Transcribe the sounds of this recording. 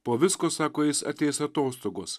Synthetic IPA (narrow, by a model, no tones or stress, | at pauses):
poːʋʲɪskoːsɑːkoːjɪsɐ̰t̪ʲeːsɐt̪oːst̪oːɡoːs